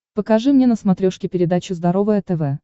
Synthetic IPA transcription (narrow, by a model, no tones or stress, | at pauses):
pəkɐʐɨmnʲenəsmɐt̪ɾʲoʂkʲɪpʲɪɾʲɪd̪at͡ɕʊzd̪ɐɾo̞vəjət̪ɛvɛ